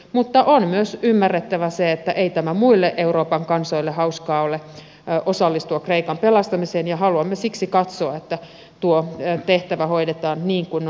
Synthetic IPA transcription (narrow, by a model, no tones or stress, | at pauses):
mut̪ːɑʔonmyøsymːærːet̪ːæʋæseet̪ːæʔeit̪æmæmuilːeʔeuroːpɑŋkɑnsoilːehɑuskɑːole | ʔosɑlːist̪uɑkreikɑmpelɑst̪ɑmiseːnjɑhɑluɑmːesiksikɑt̪soɑet̪ːæ | t̪uot̪eht̪æʋæhoidet̪ɑːnniːŋkun